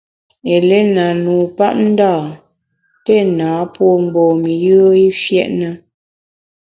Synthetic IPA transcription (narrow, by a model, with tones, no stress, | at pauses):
e˨le˦na˨nu˨pa̰˦ʔ̚n̩˦daː˦˨ | te˦˨naː˨˦pwɔ˦m̩˨bɔː˨mi˨jə˦i˦fjɛ˦ʔnə˦